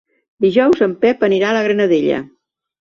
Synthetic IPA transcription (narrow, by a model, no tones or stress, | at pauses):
d̪iʒɔwzəmpɛpəniɾaləɣ̞ɾənəðeʎə̰